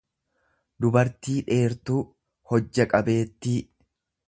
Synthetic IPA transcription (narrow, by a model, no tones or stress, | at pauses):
d̪ʊbɐɾt̪iːᶑe̞ːɾt̪uː | hɔd͡ʒːɐkʼɐbe̞ːt̪ːi